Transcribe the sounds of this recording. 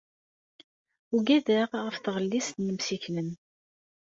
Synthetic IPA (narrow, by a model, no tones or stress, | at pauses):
uɡæðæʁʁəfθʁəlːisnjəmsiçlən